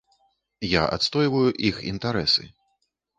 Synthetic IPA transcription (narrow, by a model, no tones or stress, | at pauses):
ja̰ʔa̰t̪st̪ɔjvɐjuʔixḭnt̪aɾɛsɨ̰